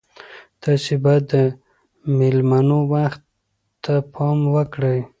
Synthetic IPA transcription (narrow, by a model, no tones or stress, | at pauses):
t̪ɑsebad̪ːə | mɪlmanowaxt̪ː | apʰɑmwəkɽəj